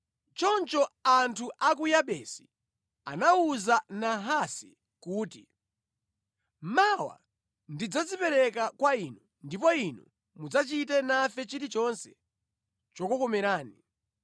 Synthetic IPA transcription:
t͡ʃɔnt͡ʃɔantʰuʔakujaɓɛsi | a̰nauzanaɦasi | kuːtḭ | mawa̰ | ndid͡zad͡zipɛɾɛkakwainu | ndipɔinṵ | mud͡zat͡ʃitɛnafɛt͡ʃiɾit͡ʃɔnsɛ̥ | t͡ʃɔkɔkɔmɛɾaːni

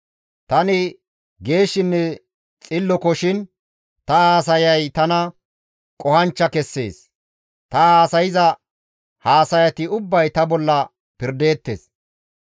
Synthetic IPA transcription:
t̪ɐnɪ | ɡe̞ːʃːɪnːɛ | t͡sʼɪlːɔkɔʃɪn | t̪ɐhaːs̬ɐjɐjt̪ɐnɐ | kʼɔhɐnt͡ʃːɐkɛsːe̞̰ːs | t̪ɐaːsɐjɪzɐ | haːsɐjɐt̪ɪʊbːɐjt̪ɐbɔlːɐ | pɪɾd̪e̞ːt̪ːe̞̰ːs

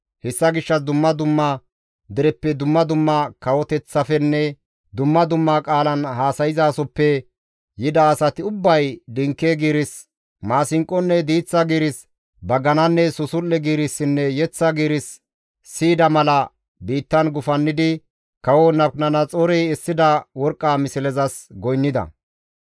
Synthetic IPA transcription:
hɛsːɐɡɪʃːɐs̬d̪ʊmːɐd̪ʊmːɐ | d̪ɪɾɛpːɛd̪ʊmːɐd̪ʊmːɐkɐwɔt̪ɛt͡sːɐfɛnːɛ | d̪ʊmːɐd̪ʊmːakʼaːlɐnhaːsɐjɪzaːsɔpːɛ | jɪd̪ɐːsɐt̪ɪʊbːɐjd̪ɪŋkːeɡiːɾɪs | maːsɪŋkʼːɔnːɛd̪iːt͡sːɐɡiːɾɪs | bɐɡɐnɐnːɛsʊsʊlːɛɡiːɾɪsːɪnːɛjɛt͡sːɐɡiːɾɪsː | iːd̪ɐmɐlɐ | biːt̪ːɐnɡʊfɐnːɪd̪ɪ | kɐwɔnɐpnɐnɐt͡sʼɔɾɛjɛsːɪd̪ɐwɔɾkʼːaːmɪsɪlɛzɐsɡɔjnːɪd̪ɐ̰

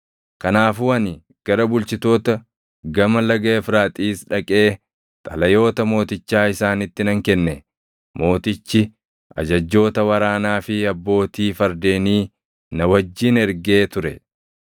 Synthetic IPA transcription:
kɐnaːfʊwɐnɪ | ɡ̥ɐɾɐbʊlt͡ʃɪt̪o̞ːt̪ɐ | ɡɐmɐlɐɡɐfɾaːt̪ʼiːsᶑɐkʼe̞ː | t̪ʼɐlɐjo̞ːt̪ɐmo̞ːt̪ɪt͡ʃːaːɪsaːnɪt̪ːɪnɐŋkɛnːɛ | mo̞ːt̪ɪt͡ʃːɪ | ɐ̰d͡ʒɐd͡ʒːo̞ːt̪ɐwɐɾaːnaːfɪɐbːo̞ːt̪iːfɐɾd̪e̞ːniː | nɐwɐd͡ʒːiːnɛɾɡeːt̪ʊɾɛ̰

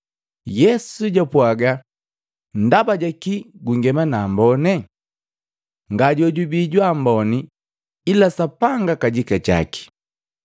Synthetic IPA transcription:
jɛsuɟapwaɡa | n̩dabaɟakiɡuŋɡɛmanambɔnɛ | ŋɡaɟɔɟubiɟwambɔni | ilasapaŋɡakaɟikat͡ʃa̰ki̥

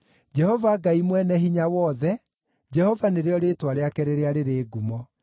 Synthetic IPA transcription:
d͡ʒɛhɔvaːɡaimwɛnɛɦiɲawɔðɛ | d͡ʑɛhɔvaneɾeɔɾetwaɾeakɛɾeɾeaɾeɾeːɡumɔ

